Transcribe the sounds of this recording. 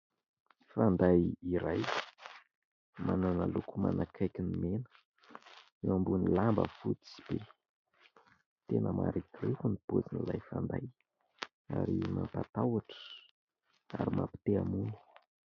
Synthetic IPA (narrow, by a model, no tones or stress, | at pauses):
fand̪ajiɾaj | mananalukuma̰nakʰajkʲinimenə̥ | ewambunilambə̰fut̪i̥b̥e | t̪enəma̰ɾikrekunipot͡sinilajfand̪aj | a̰ɾimampat̪awaʈ͡ʂə̥ | aɾimapi̥t̪eamunu̥